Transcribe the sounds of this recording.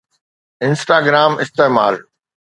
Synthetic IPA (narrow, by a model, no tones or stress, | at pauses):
ɪ̃nsʈaːɡɾaːmɪst̪eːmaːl